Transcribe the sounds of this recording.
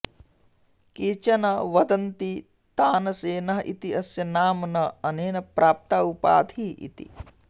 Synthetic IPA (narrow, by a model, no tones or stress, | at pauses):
kiːt͡ʃɐnɐʋɐd̪ɐnt̪i | t̪aːnɐseːnɐɦɐʔit̪iɐsjɐnaːmnɐɐneːnɐpɾaːp̚t̪aːupa̰ːd̪ʱiḭt̪ḭ